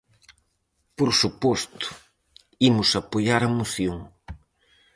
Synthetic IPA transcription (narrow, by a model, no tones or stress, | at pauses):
poɾsupɔst̪ʊ̥ | imʊsɐpoʎaɾɐmoθjoŋ